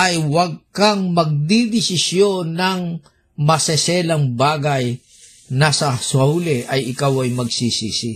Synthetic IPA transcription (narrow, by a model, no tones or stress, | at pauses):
ʔɐjwɐɡ̚kaŋmɐɡ̚d̪id̪ɪsɪsjonɐŋ | mɐsɛsɛlɐŋbaːɡɐj | nɐsɐswɐulɛʔɐjʔɪkawɐjmɐɡ̚sisiːsi